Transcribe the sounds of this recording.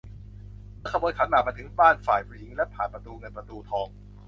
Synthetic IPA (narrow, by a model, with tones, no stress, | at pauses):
mː˥˩kʰa˧mbu˧nkʰa˨˩˦nmaː˨˩ma˧jt̪ʰɯ˩˦ŋbaː˥˩nfaː˨˩jpʰɾu˧ji˩˦ŋlɛ˦˥ʔpʰaː˨˩npɾa˧t̪uː˧ŋɤ˧npɾa˧t̪uː˧t̪ʰɔː˧ŋ